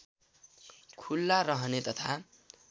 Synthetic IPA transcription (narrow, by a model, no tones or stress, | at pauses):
kʰulːaɾʌɦʌnet̪ʌt̪ʰa